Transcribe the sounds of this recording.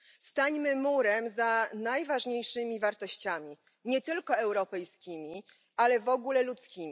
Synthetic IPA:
st̪aɲmɘmuɾɛmzanajvaʐɲejʂɘmʲivaɾt̪ɔɕt͡ɕamʲi | ɲɛt̪ɘlkɔɛwɾɔpɛjskʲimʲi | alɛvɔɡulɛlut̪skʲimʲ

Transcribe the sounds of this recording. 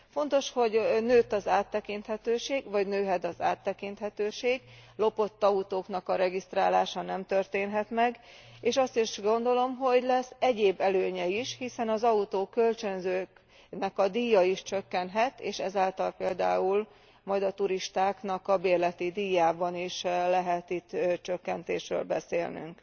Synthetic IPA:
fo̞n̪t̪o̞ʃho̞ɟnøːt̪ːɒzaːt̪ːɛkint̪hɛt̪øːʃeːɡvɒɟnøːɦɛd̪ɒza̰ːt̪ːɛkint̪hɛt̪øːʃeːɡlo̞po̞t̪ːɒut̪oːknɒkɒɾɛɡist̪raːlaːʃɒnɛmt̪ø̞rt̪eːnɦɛt̪mɛɡ | eːʃɒst̪iʃɡo̞nd̪o̞lo̞mɦo̞ɟlɛsːɛɟeːbːɛløːɲɛiʃhisɛnɒzɒut̪oːkø̞lt͡ʃønzøːk | nɛkɒd̪iːjɒiʃt͡ʃøkːɛnɦɛt̪ḛːʃɛzaːlt̪ɒlpeːld̪a̰ːul | mɒjd̪ɒt̪uɾiʃt̪aːknɒkɒbeːrlɛt̪id̪iːjaːbɒniʃlɛɦɛt̪it̪ːt͡ʃøkːɛnt̪ḛːʃrø̰ːlbɛ̰sḛːlny̰ŋk

